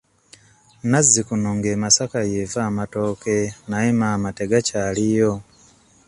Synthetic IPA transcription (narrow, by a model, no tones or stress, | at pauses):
nazːikunoŋɡe̞masakajevaːmato̞ːke̞najemaːmate̞ɡacalijo̞